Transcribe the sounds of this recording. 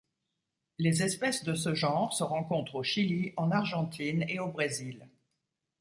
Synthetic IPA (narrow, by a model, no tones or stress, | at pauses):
lezɛspɛsd̪əsəʒɑ̃ʁsəʁɑ̃kɔ̃t̪χoʃiliɑ̃naʁʒɑ̃t̪ʰineobʁezil